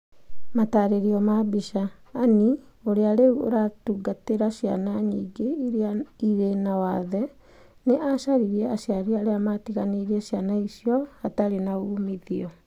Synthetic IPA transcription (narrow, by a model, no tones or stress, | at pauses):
mataːɾeɾiɔmabiʃaːnioɾeaɾeuo̰ɾatuɡateɾaʃia̰naɲiːɡeiɾaiɾenawaðɛ | neʔaʃaɾiɾiɛaɕiaɾiaɾeamatiɣaneiɾiɛɕjanaisjɔataɾenauːmiðiɔ